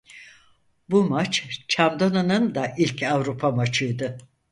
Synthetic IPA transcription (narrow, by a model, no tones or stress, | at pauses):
bumat͡ʃt͡ʃʰavd̪anɯnɯnd̪aʔilʲcavɾupʰamat͡ʃʰɯjd̪ɯ